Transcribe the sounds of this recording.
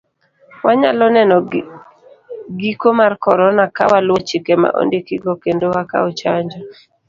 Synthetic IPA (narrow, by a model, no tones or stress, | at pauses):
waɲa̰lɔnɛnɔ | ɡikomarkɔɾɔnaka̰walwot͡ʃɪkema̰ʔo̰ndikiɡɔkendowaka̰ɔt͡ʃaɲd͡ʒɔ